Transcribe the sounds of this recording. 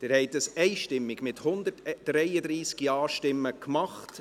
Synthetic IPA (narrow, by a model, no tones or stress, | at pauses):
d̥ɛːɾhɛɪtəsɛɪʃtɪmːɪɡmɪthʊnd̪ətːɾɛɪədɾiːskjɑːʃtɪmːəkmɑχt